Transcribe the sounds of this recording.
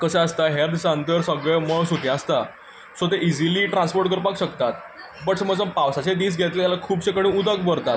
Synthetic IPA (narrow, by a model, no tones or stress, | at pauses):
kəsaəst̪aɦeɾd̪saənt̪əɾsəɡɭeməɭsuk̪eəst̪a | sot̪eʔid͡ziliːʈɾãnspoɾʈkəɾpakɕəkt̪at̪̚ | bəʈsəməd͡zəpaʋsat͡ɕed̪iːsɡʱet̪lejalakʰuːbt͡ɕekəɽĩud̪əkbəɾt̪at̪